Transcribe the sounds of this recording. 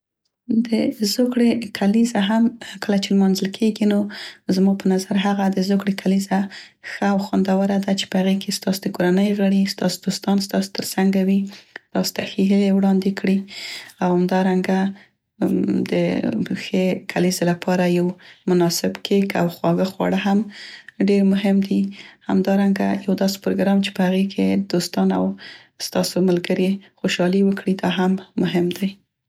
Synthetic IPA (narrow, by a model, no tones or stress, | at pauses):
d̪əzokɽekʰalizaɦamkəlat͡ʃelmɑnzəlkʰeɡinozmɑpənazaɾɦaɣad̪əzokɽekʰaliza | xəawxwand̪awəɾad̪at͡ʃe̥pəhaɣekʰest̪ɑsod̪əkoɾanəjɣəɽist̪ɑsod̪̥ost̪ɑnst̪ɑso̥t̪əɾsaŋɡawit̪ɑso̥t̪axeɦilewɽɑnd̪ekɽiawhamd̪ɑɾaŋɡa | d̪ə̰xekʰalizelapʰɑɾajawmʊnɑsɪbkʰeka̰wxwɑɣəxwɑ̰ɽəɦamɖeɾmʊɦɪmd̪iha̰md̪ɑɾaŋɡa̰jawd̪ɑse̥pɾoɡɾɑmt͡ʃe̥pəhaɣekʰed̪̥ost̪ɑna̰w | st̪ɑsomalɡəɾixoʃɑliwəkɽid̪ɑɦamːʊɦɪmd̪aj